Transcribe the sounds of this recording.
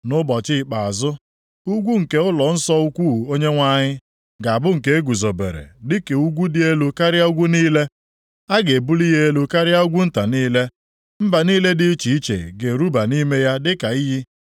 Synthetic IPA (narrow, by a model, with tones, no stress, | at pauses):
nʊ˦bɔ˨t͡ʃɪ˦ɪ˨k͡pa˨a˨zʊ˦ | u˦ɡʷu˦ŋ̩˨ke˦ʊ˦lɔ˨n̩˦sɔ˦u˦kʷu˦˨o˦ɲe˦ŋʷa˦ɲɪ˦ | ɡa˨a˨bʊ˦ŋ̩˨ke˦e˦ɡu˨zo˨bḛ˨ɾḛ˨dɪ˦ke˨u˦ɡʷu˦dɪ˦e˦lu˦ka˦ɾɪ˦a˦u˦ɡʷu˦niː˦le˦ | a˦ɡe˨bu˦li˦ɦe˦e˦lu˦ka˦ɾɪ˦a˦u˦ɡʷu˦n̩˦ta˨niː˦le˦ | m̩˦ba˨niː˦le˦dɪ˦t͡ʃi˨i˦t͡ʃḛ˨ɡe˨ɾu˦ba˨ni˦me˦ja˦dɪ˦ka˨i˦ɦi˦